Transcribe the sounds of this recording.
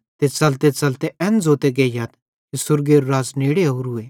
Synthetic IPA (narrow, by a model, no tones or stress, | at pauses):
t̪et͡sɐlt̪et͡sɐlt̪eʔɛ̃nd͡zoːt̪eɡejaːt̪ | t̪esʊɾɡeːɾɾaːzneːɽeɦoːɾɦʊeː